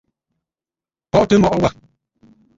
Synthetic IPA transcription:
pɔ˦˨ʔte˦mɔ˨ʔɔ˦wa˦˨

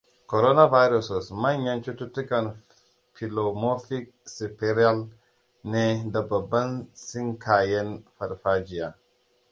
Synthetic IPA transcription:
ko˨ɾo˦na˦va˦jɾo˨so˨sma˦ɲːa˦nt͡ʃu˦tu˦ti˦ka˨n | fi˨lo˨mo˦fi˦k̚si˨pe˦ɾi˦a˦l | ne˦da˨ba˨ba˦nsi˦ŋkʰa˨je˦nfa˨ɾfa˦d͡ʒi˨a˨

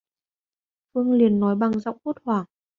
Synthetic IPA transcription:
fɨ˧əŋli˨˩ənːɔ˨˦jɓa˨˩ŋza̰˧˨wŋ͡mʔo˦˥t̚hwaː˧˩ŋ

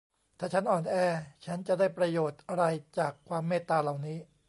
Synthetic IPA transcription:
t̪ʰaː˨˩t͡ɕʰa˦˥nʔɔː˨˩nʔɛː˧˩t͡ɕʰa˦˥nt͡ɕa˨˩daː˥˩jpɾa˧joː˨˩t̪̚ʔa˧ɾa˧jt͡ɕaː˨˩kʰːwaː˧mːeː˥˩t̪ːaː˧la˨˩wniː˦˥

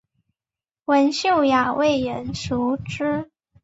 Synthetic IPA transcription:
wə˧˥nɕjo˥˩ʊja˨˩wʔe˥˩ɪjə˧˥nʂu˧˥ʈ͡ʂ̩˥

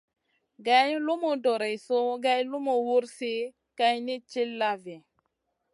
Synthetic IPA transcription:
ɡa˦jlu˦mu˨do˨ɾe˨so˦ɡa˦jlu˦mu˨wu˦ɾsi˦ | ka˦jni˦t͡ʃi˦lːa˦vi˨

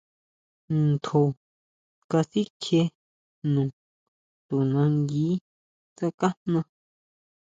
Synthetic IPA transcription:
nt̪ʰo˨ | ka˧si˦kʰe˧ | nũ˨ | t̪u˨nã˧ŋɡiː˨˦ | sa˧ka˦n̥nã˧

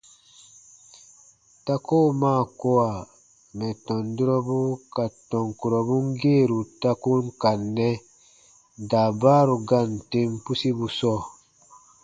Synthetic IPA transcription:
ta˦ko˦˨maː˦˨ko˦wa˨ | mɛ˨tɔ˨ndi˦ɾɔ˦bu˦ka˨tɔ˨ŋku˨ɾɔ˨bu˦ŋ˦ɡe˦˨ɾu˨ta˦ku˦nka˨nːɛ˦ | da˨baː˦ɾu˨ɡa˦˨nte˦mpu˦si˦bu˨sɔ˦˨

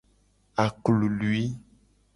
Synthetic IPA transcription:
a˨klu˨lu˦i˦

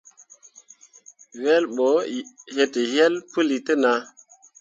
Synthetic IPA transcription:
we˦lɓo˨˦he˨tə˨je˦lpɨ˦li˨tə˦na˨

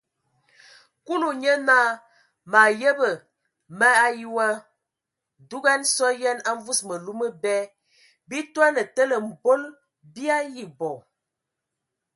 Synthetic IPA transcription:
ku˦lu˨ɲə˦na˦˨ | ma˨jə˦bə˨ | mə˦a˦ju˦wa˦ | du˦ɡa˦nsɔ˦jɛ˦na˦ɱ˦vu˦smə˨lu˦mə˦bɛ˦ | bi˦twa˦nə˨tə˦lə˨m̩˨bo˦l | bi˦a˦ji˨bɔ˨

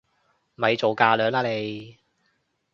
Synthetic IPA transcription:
mm̩˨ɐ˨˧jt͡so˨wkaː˧lœː˨˥ŋlaː˥le˨˧j

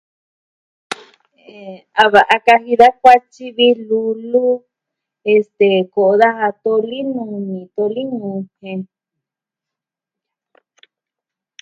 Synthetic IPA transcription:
e˨ | a˧βa˨ʔa˧ka˧ɦi˧ða˦k̚ʷa˦t͡ʃi˦βi˧lu˧lu˦ | e˧st̪e˨ko˨ʔo˧ða˦ha˧t̪o˧li˦nũ˧nĩ˨t̪o˧li˦nũ˧hẽ˧

